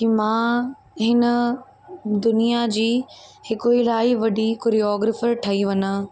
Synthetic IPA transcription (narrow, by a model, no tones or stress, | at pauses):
kiːmãː | ɦɪnə̆ | d̪ʊnijad͡ʑiːhɪkʊilaːɪʋɐɖʱikʊɾiɔːɡɾəfəɾʈʰɐiʋɐna